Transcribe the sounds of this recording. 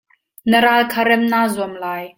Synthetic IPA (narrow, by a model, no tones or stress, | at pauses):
nəɾaːlkʰaɾɛmnaːzuəmlaːj